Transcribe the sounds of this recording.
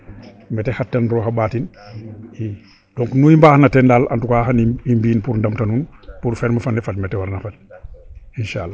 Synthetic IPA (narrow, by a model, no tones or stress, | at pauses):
mɛtehatːanɾɔːhabaːtin | i | d̥ɔŋknujimbahanatɛndala̰ntukahaniimbiːnpuɾndamtanunpuɾfɛɾmafanɛfatmɛtɛwaɾnafat̚ | inʃalːa